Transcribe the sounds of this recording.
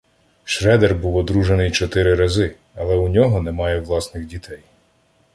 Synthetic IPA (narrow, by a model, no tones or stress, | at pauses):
ʃɾɛd̪erbuwɔd̪ɾuʒenɪjt͡ʃɔt̪ɪɾɪɾɐzɪ | ɐlˠɛʊnʲɔɦɔnemɑjɛʋlˠɑsnɪxdʲit̪ʰɛj